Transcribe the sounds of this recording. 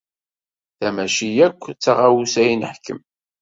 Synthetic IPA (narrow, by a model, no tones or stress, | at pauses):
θæmæʃijækʷːt͡sːaʁawusæjnəħkːə̰m